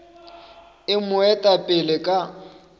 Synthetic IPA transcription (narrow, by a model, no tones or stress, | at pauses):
ɪmʊɛtʼapʼɪlɪkʼa